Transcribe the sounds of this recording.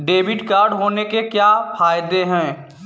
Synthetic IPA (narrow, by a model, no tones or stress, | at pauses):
ɖeːbɪʈkaːɾɖɦoːnekekjafaːjd̪eɦɛ̃ː